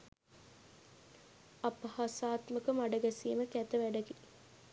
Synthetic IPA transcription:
apɐhasaːt̪məkəmaɖɐɡæsiːməkæt̪əʋæɖəɡe

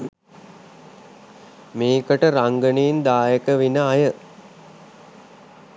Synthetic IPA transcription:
meːkəʈəɾaŋɡəniːnd̪aːjəkəʋinəajə

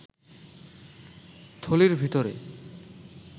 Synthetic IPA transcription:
t̪ʰoliɾbʱit̪oɾe

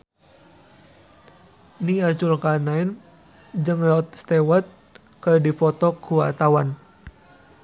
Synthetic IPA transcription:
niat͡ʃulkanaɛn | d͡ʒɨŋlat̪̚st̪ewat̪̚ | kərdipɔt̪ɔkuwa̰t̪awan

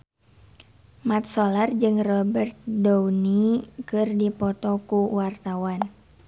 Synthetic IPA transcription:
mat̪̚sɔlard͡ʒɨŋrɔbərt̪̚dɔunikɨrdipɔt̪ɔkuwart̪awan

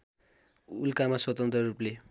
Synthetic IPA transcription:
ulkamaswʌt̪ʌnt̪rʌɾuple

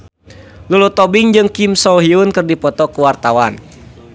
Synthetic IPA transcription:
lulut̪ɔbiŋd͡ʒɨŋkimsɔɦiunkɨrdipɔt̪ɔkuwart̪awan

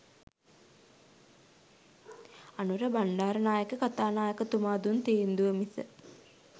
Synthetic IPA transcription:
anuɾəbaɳɖaːɾənaːjəkəkat̪aːnaːjəkət̪umaːd̪unt̪eːnd̪uʋəmisə̰

